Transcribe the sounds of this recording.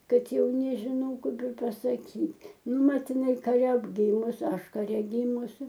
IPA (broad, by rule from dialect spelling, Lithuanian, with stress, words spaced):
ˈkɐt ˈjɛʊ nʲɛʒʲɪˈnɐʊ ˈkɐɪp ɪr pɐsɐˈkʲiːtʲ ˈnʊ ˈmɐt ɪˈnɐɪ kɐˈrʲɛ ˈɡʲiːmʊs ˈɐʃ kɐˈrʲɛ ˈɡʲiːmʊsʲɪ